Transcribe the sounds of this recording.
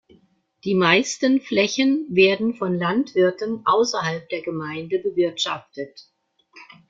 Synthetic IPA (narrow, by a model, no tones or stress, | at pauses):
d̥iːmaɪstənflɛçənveːɐdn̩fɔnlantv̥ɪɐtənʔaʊsɐɦalp̚d̥eːɐɡəmaɪndəbəvɪɐtʃa̰ftət